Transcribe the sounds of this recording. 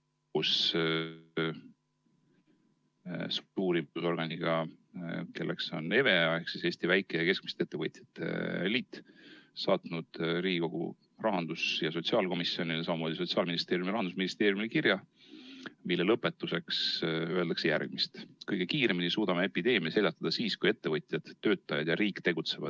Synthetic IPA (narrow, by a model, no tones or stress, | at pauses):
kus | st̪uk̚t̪uːɾiuso̞rɡ̥ɑnʲiɡ̥ɑ | ke̞lːekso̞̰ne̞ve̞ɑe̞hksise̞ːst̪ivæjkˑeeke̞sk̚mi̥st̪ee̞t̪ːevɤt̪ʲjɑ̥t̪ːḛliːt̪ːsɑːt̪nud̪̥ɾiːɡiko̞ɡ̥ṵ | rɑɦɑnd̪̥usjɑso̞t̪siɑːlko̞misːio̞nilesɑmɑmoːd̪iso̞t̪siɑːlminist̪e̞ːɾjumiɾɑnd̪usminist̪e̞ːɾjumilkirjɑ | milːelɤpːˑe̞t̪ːuse̞ksøe̞ld̪ɑksejæ̰rɡ̥̚mist̪kɤjɡ̥e̞kiːɾe̞minisuːd̪̥ɑmee̞pid̪e̞ːmjɑse̞lʲɑt̪ːˑɑd̪ɑsiːskuje̞t̪ːe̞vɤjt̪ʲˑjɑd̪̥ø̞ːt̪ːˑɑjɑd̪jɑɾiːkt̪e̞ɡ̥ut̪se̞vɑ̰d̪̥